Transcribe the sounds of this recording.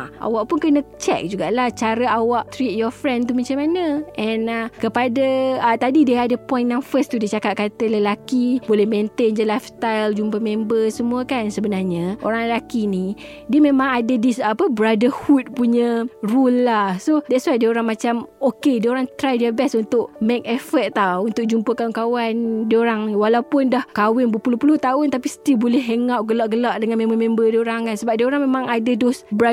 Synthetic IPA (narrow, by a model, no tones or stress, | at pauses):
ʔa̰waʔpunkənə̃t͡ʃɛ̰k̚d͡ʒuɡaʔlaht͡ʃaɾəawaʔt̪ɾit̪̚jɔfɾɛ̃nt̪umat͡ʃamanəʔɛ̃nakəpadaat̪adideadəpɔ̃jnjãŋfəst̪udet͡ʃakap̚kat̪ələlakibolɛhmẽnt̪endəlajfst̪ajld͡ʒumbəmẽmbəsəmũakansəbənarɲəʔo̰ɾaŋləlakini | diəmẽmãŋadadisapəbəɾadəhut̪̚puɲərulːahsodɛʔswajdiəoɾaŋmat͡ʃamokediəoɾaŋt̪ɾajdiəbɛsunt̪ʊʔmek̚ɛfət̪̚t̪ːawunt̪ʊk̚d͡ʒumpəkaʊnkawandiəoɾaŋwalawpʊndahkawɛnbəpulʊhpulʊht̪aʊnt̪apisə̥t̪ibolɛhɦeŋawʔɡəlaʔɡəlaʔdəŋanmẽmbəmẽmbədiəoɾaŋkansəbap̚diəoɾaŋmemãŋadədɔsbəɾa